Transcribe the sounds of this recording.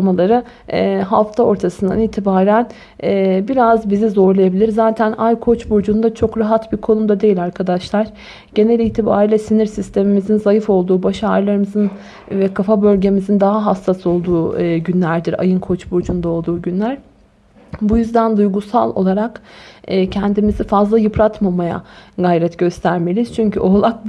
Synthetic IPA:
malˠaɾɯ | ɛɦaft̪ʰao̞ɾt̪ʰasɯnd̪a̰niːt̪ʰibaːɾæn | ɛːbiɾazbizizo̞ɾlˠajabilʲiɾzaːt̪ʰænajkʰo̞t͡ʃbuɾd͡ʒund̪at͡ʃʰo̞kɾaɦat̪biɾkʰo̞numd̪ad̪e̞jilʲaɾkʰad̪aʃlˠaɾ̥ | ɟ̥e̞nelʲiːt̪ʰiba̰ːɾilʲɛsiniɾsist̪ʰe̞mimizinzajɯfo̞lˠd̪uːbaʃaɾlˠaɾɯmɯzɯn | vɛkʰafabø̞lʲɟe̞mizind̪aɦaɦast̪ʰːaso̞lˠd̪uːɟynlʲæɾd̪iɾa̰jɯnkʰo̞t͡ʃbuɾd͡ʒund̪ao̞lˠd̪uːɟynlʲæɾ̥ | bujyzd̪ænd̪ujɡusa̰lˠo̞̰lˠaɾakː | cʰɛnd̪imizifazlˠajɯpʰɾat̪mamaja̰ɡajɾɛt̪ɟø̞st̪ʰæɾme̞lʲiz̥t͡ʃʰyɲcʰy̰ʔo̞lˠak̚b

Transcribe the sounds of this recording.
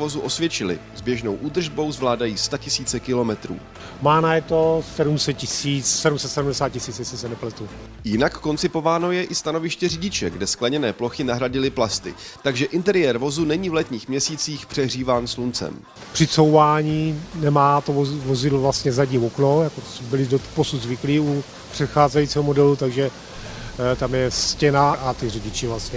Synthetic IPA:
vo̞zuʔo̞svjɛt͡ʃɪlɪ̰zbjɛʒno̞wʔuːd̪r̩ʒbo̞wzvlaːdajiːst̪acɪsiːt͡sɛkɪlo̞mɛt̪ɾṵː | maːnajɛt̪osɛɾumsɛt̪̚cɪsiːt͡ssɛɾumsɛt̪sɛɾumdɛsaːt̪̚cɪsiːt͡sɪt͡ssɪsɛnɛplɛt̪u | jɪnakːo̞nt͡sɪpo̞vaːno̞jɛʔɪst̪ano̞vɪʃcɛrɪɟɪt͡ʃɛɡdɛsklɛɲɛnɛːplo̞xɪnaɦɾaɟɪlɪplast̪ɪ̰ | t̪aɡʒɛʔɪnt̪ɛɾɪjɛːɾvo̞zunɛɲiːvlɛt̪ɲiːxmɲɛsiːt͡siːxpr̝̥ɛɦr̝iːvaːnslunt͡sɛ̰m | pr̥ɪt͡sowvaːɲiːnɛmaːt̪ovozɪdlvlast̪ɲɛzaɟɲiːmoknojakosbɪlɪdoposud̪zvɪkliːu | pr̥ɛt̪xaːzɛjit͡siːɦomodɛlut̪aɡʒɛ | t̪amjɛscɛnaʔat̪ɪrɪɟɪt͡ʃɪvlast̪ɲɛ

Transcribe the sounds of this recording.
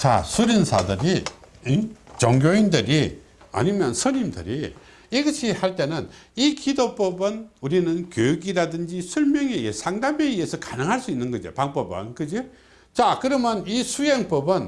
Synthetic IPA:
t͡ɕa̰sʰuɾinsʰadɯɾiit͡ɕʌŋɡʲjoindɯɾi | a̰ɲimjʌnsʰʌɲimdɯ̰ɾi | iɡʌɕʰihaɭt͈e̞nɯnikidop͈ʌbɯnuɾinɯnkjojuɡiɾadɯnd͡ʑisʰuɭmjʌŋeesʰaŋdameiesʰʌkanɯŋɦaɭs͈uinːɯnɡʌd͡ʑḭpaŋpʌbɯ̰nkɯd͡ʑi | t͡ɕakɯɾʌmjʌnisʰujeŋp͈ʌbɯn

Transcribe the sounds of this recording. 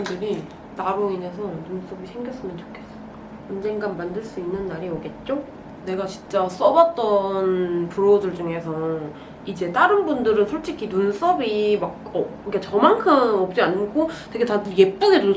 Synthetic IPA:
ndɯɾi | taɾoine̞s̬ʰʌnuns͈ʌbisʰe̞ŋɡjʌs͈ɯmjʌnt͡ɕo̥kʰe̞s͈ʌ | ʌnd͡ʑe̞ŋɡanmandɯɭs͈uinːɯnːaɾiʌɡe̞t̚t͡ɕ͈o | ne̞ɡat͡ɕint͡ɕ͈as͈ʌbʌt̚t͈ʌnpuɾodɯɭd͡ʑuŋe̞sʰʌ | id͡ʑe̞t͈aɾɯnbundɯɾɯnsʰoɭt͡ɕ͈ikʰinuns͈ʌbimak̚ʌiket͡ɕʌmaŋkʰɯmʌp̚t͡ɕ͈iankʰotwe̞ɡe̞tadɯje̞p͈uɡedu

